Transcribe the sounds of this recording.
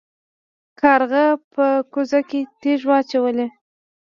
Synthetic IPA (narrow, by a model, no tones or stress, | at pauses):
kʰɑɾɣəpəkʊzaket̪eʒwɑt͡ʃawəle